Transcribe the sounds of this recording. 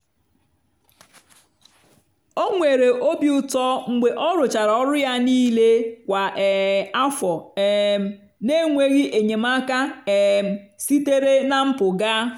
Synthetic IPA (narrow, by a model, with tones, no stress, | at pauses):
o˦ŋʷe˨ɾe˨ʔo˦bi˨ʊ˨tɔ˦ŋ͡m̩˦ɡ͡be˨ʔɔ˦ɾʊ˨t͡ʃa˨ɾɔ˦ɾʊ˦ja˦niː˦le˦kʷa˨ɛ˨a˦fɔ˨ɛ˨˦ | ne˦ŋʷe˦ɣi˦ʔe˨ɲe˨ma˦ka˦ɛ˨m̩˨si˦te˦ɾe˦na˦m̩˦pʊ˨ɡa˦